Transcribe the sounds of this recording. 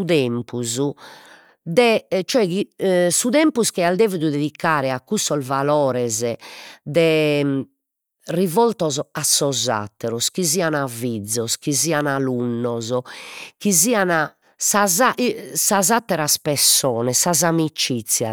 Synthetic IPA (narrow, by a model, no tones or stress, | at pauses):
uðɛmpuzu | d̪ɛt͡ʃɔɛɣisuðɛmpuskɛald̪ɛːviðud̪eðikʰːaːɾɛakːusːɔzvalɔːɾɛzɛd̪ɛ | rivɔlt̪ɔzɔasːɔza̰t̪ːɛɾɔsk̟izianavid̪zːɔskizianalunːɔzɔkiziːana | sazaʔsazat̪ːɛɾaspɛsːɔːnɛsazamit͡ʃit̪sːja̰